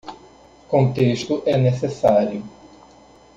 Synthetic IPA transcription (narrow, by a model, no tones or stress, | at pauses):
kõt̪eʃt̪ʊʔɛnesesaɾjʊ